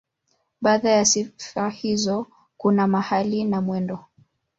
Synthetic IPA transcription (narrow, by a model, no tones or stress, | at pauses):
ɓaðajasifahizɔ | kunamahalinamwɛndɔ